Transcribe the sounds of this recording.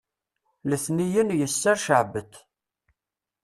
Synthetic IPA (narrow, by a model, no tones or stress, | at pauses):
ləθnijənjəsːæɾʃəʕbət̪